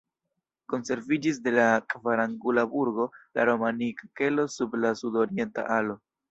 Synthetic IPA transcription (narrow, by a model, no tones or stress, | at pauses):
ko̞nse̞ɾvid͡ʒis̬de̞lakvaɾaŋɡulabuɾɡo̞la̰ɾo̞manikake̞lo̞sublasudo̞ɾie̞nta̰ʔalo̞